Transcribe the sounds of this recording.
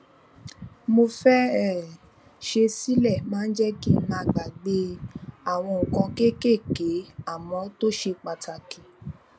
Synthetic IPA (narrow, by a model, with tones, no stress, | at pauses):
mo˧fɛ˦ɛ˨ | ʃe˧si˦lɛ˦˨mãː˦˧n̩˦d͡ʒɛ˦ki˦˨mãː˧ɡ͡ba˨ɡ͡be˧˦a˦˨w̃ɔ̃˧ŋ̩˨kɔ̃˧ke˦ke˦˨ke˨˦a˦˨mɔ̃˨˦to˦ʃe˧k͡pa˨tʰa˨ki˨